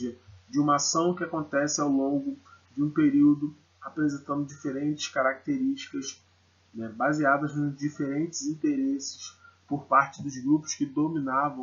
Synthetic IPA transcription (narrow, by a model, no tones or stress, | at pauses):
ɐd͡ʒɪũmɐasɐ̃w̃kɪakõnt̪ɛsɪawlõɡʊd͡ʒɪũpeɾiwd̪ʊ | apɾezẽnt̪ɐ̃nd̪ʊd͡ʒifeɾẽnt͡ʃɪ̥ʃkaɾak̚t̪eɾiʃt͡ʃi̥kɐs | nɛbaziad̪ɐznʊd͡ʒifeɾẽnt͡ʃɪzĩnt̪eɾesɪ̥ʃpoɾpaɾt͡ʃɪd̪ʊzɡɾupʊ̥skɪd̪omĩnavɐ̃